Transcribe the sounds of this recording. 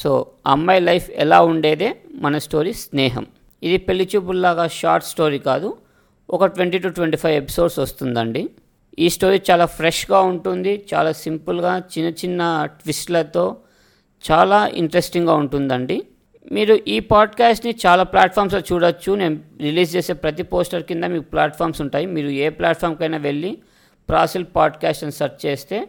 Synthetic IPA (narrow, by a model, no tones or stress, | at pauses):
so̰ːɐmːɐjlɐjpʰɛ̰laːuɳɖe̞ːd̪e̞ːmɐnɐsʈo̞ːɾiːsnɛːɦɐ̰m | id̪ipe̞lːit͡ʃuːp̬ulːaːɡaːʃa̰ːɾʈsʈo̞ːɾiːkaːd̪u | ɔkɐʈʋeɳʈiʈuʈʋeɳʈipʰɐjʋe̞pi̥so̞ːɖsɐst̪und̪ɐɳɖi | iːsʈo̞ːɾiːt͡ʃaːlaːpʰɾeʂɡaːuɳʈund̪it͡ʃa̰ːlaːsimpulɡaːt͡ʃinɐt͡ʃinːɐʈʋisʈlɐt̪o̞ː | t͡ʃaːlaːʔḭɳʈɐɾesʈiŋɡaːuɳʈund̪ɐɳɖi | miːɾuʔiːpaːɖkaːsʈnit͡ʃaːlaːplaːʈpʰaːɾmsloːt͡ʃuːɽɐt͡ʃːune̞ːnuɾiliːs̬t͡ʃeːse̞ːpɾɐt̪̬ipo̞ːsʈɐɾkind̪aːmiːkuplaːʈpʰaːɾmsuɳʈaːjimiːɾueːplaːʈ̚pʰaːɾmkɐjnaːʋe̞ɭːi | pɾaːsilpaːɖkaːsʈɐnsɐɾt͡ʃt͡ʃeːst̪e̞ː